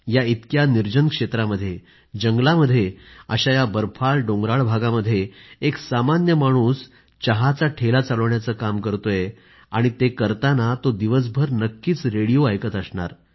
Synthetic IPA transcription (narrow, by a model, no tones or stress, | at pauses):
jait̪kjaniɾd͡ʑənkʂet̪ɾaməd̪ʱːje | d͡ʑəŋɡlaməd̪ʱːjeə̰ɕajabəɾfalɖõŋɡɾaɭbʱaɡaməd̪ʱːjeeksamanjəmaɽ̃uːs | t͡ɕəɦat͡saʈʰelat͡saləʋɳjat͡səkamkəɾt̪oje | aɽ̃it̪ekəɾt̪anat̪od̪iʋəs̬bʱəɾnəkːiːt͡sɾeɽijoajkət̪əsɳa̰ɾ